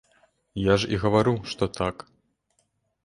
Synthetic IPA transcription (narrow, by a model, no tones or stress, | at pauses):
jaʐḭɣɐvaɾɨwʂt̪ɔt̪ʰak